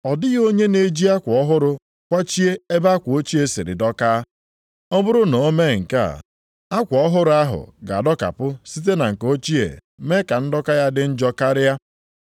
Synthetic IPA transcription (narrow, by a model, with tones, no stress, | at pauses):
ɔ˨dɪ˦ɣo˦ɲe˦ne˦d͡ʒi˦a˦kʷɔ˦ɦʊ˦ɾʊ˦ | kʷa˦t͡ʃi˦e˦e˦ba˦kʷo˦t͡ʃi˦e˦sḭ˨ɾɪ̰˨dɔ˦kaː˦ | ɔ˦bʊ˦ɾʊ˦no˨˦me˦˨ŋ̩˨ka̰˦˨ | a˦kʷɔ˦ɦʊ˦ɾʊ˦a˦ɦʊ̰˨ɡa̰˨dɔ˦ka̰˨pʊ˦si˦t̬e˦na˨ŋ̩˨ko˦t͡ʃi˦ḛ˨ | me˦ka˨n̩˦dɔ˦ka˦ja˦dɪ˦n̩˦d͡ʒɔ˦ka˦ɾɪ˦ja˦